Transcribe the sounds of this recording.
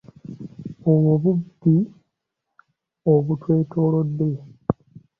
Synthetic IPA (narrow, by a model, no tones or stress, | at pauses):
owoβudi | oβutweːtʰoːlo̞d̪ːe̞